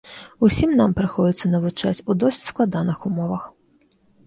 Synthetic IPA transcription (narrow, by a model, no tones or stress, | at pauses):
usʲimnampɾɨxɔd͡zʲit̪sːɐnɐvut͡ʂat͡sʲud̪ɔsʲt͡sʲsklˠad̪anɨxumɔvɐx